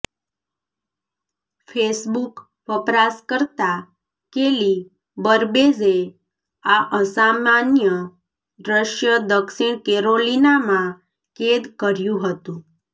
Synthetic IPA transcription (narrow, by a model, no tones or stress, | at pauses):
fʰesbuk | ʋəpɾaskəɾt̪a | keli | bəɾbeze | aʔəsamanjə | ɖɾəʃjəd̪əksiɳ̃keɾolinamã | ked̪kəɾjũɦət̪ũ